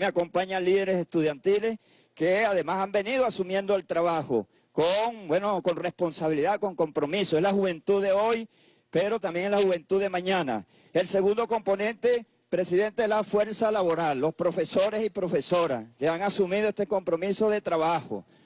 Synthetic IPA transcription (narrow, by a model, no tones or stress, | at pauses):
meako̞mpaɲanliðe̞ɾese̞st̪uðjant̪ile̞s | keaðe̞masambe̞niðoasumjẽ̞nd̪oalt̪ɾaβaxo̰ | koŋbwe̞no̞ko̞nre̞spo̞nsaβ̞iliðako̞ŋko̞mpɾo̞misoezlaxuβe̞nt̪uðe̞o̞j | pe̞ɾo̞t̪ambje̞ŋelahuβe̞nt̪uðe̞mãɲãna̰ | e̞lse̞ɣũnd̪o̞ko̞mpo̞nẽ̞nt̪e̞ | pɾe̞siðe̞nt̪elafwe̞ɾsalaβo̞ɾalːo̞spɾo̞fe̞so̞ɾe̞sipɾo̞fe̞so̞ɾaskeaŋasumiðoe̞st̪ekompɾo̞miso̞ðe̞t̪ɾaβaxo̰